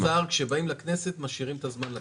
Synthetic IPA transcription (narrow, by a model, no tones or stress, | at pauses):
aʁkʃe̞baimlakne̞set̪maʃiʁimt̪azmanla